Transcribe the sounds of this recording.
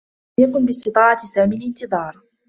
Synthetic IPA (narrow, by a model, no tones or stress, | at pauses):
jakʊnbɪst̪ɨt̪ˤɑːʕɑsaːmilɪnt̪ɨðˤɑːɾˤ